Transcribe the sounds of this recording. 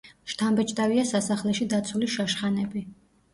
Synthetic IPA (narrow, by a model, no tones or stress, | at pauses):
ʃt̪ʰambɛt͡ʃʼt̪ʼaviasasaχlɛʃid̪at̪sʰuliʃaʃχanɛbi